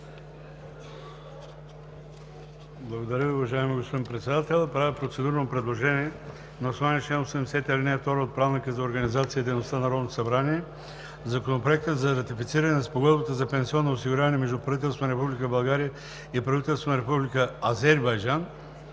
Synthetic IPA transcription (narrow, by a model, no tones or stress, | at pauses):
blˠɐɡod̪ɐɾəviʊvɐʒaɛmiɡospod̪inpɾɛt̪sɛd̪at̪ɛlˠpɾavipɾot̪sɛd̪uɾənopɾɛd̪lˠoʒɛniɛ | nɐosovanit͡ʃɛnosɛmɛsɛt̪ɛlʲinɛft̪ɔɾoot̪̚pɾavnikəzɐoɾɡɐnizat̪siəid̪ɛjnost̪anɐɾɔd̪not̪osɐbɾaniɛ | zɐkonopɾoɛk̚t̪əd̪zɐɾɐt̪ifit̪siɾɐnɛnspoɡɔd̪bət̪əzɐpɛnsiɔnːoosiɡʊɾjavɐnɛmɛʒd̪upɾɐvit̪ɛlˠst̪vonɐɾɛpublikəbɐlˠɡaɾijə | ipɾɐvit̪ɛlˠsvonɐɾɛpublikəːzɛɾbɐjʒan